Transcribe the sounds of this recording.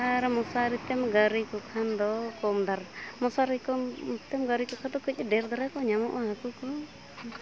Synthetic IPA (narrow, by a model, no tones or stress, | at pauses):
aɾamɔsaɾit̪ɛmɡaɾikɔkʰand̪ɔkɔmd̪aɾmɔsaɾikɔt̪ɛmɡaɾikɔkʰad̪ɔkəc̚ɛɖɛɾd̪aɾakɔɲamɔʔaɦakukɔ